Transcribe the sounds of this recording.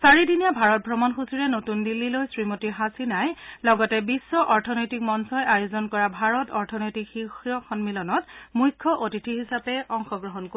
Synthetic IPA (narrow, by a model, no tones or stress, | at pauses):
saɹidinijabʱaɹɔt̚bʱɹɔmɔnxusiɹɛnotundilːilojsɹimotiɦasinajlɔɡɔtɛbisːɔʔɔɹtʰɔnojtik̚mɔnsɔjʔajozɔnkɔɹabʱaɹɔtɔɹtʰɔnojtikxixɔxʰɔnmilɔnɔtmujkʰːɔʔotitʰiɦisapɛɔŋxɔɡɹɔɦɔnko